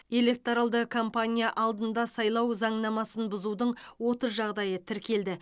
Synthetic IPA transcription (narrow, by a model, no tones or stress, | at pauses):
e̞le̞k̚t̪oɾalˠd̪əkʰo̞mpanʲijaʔɑlˠd̪ənd̪ɑsɑjlˠɑwzɑɴnɑmɑsənbʊzud̪əɴwo̞t̪əzʒɑʁd̪ɑjət̪ʰɪɾkʲʰe̞ld̪ɪ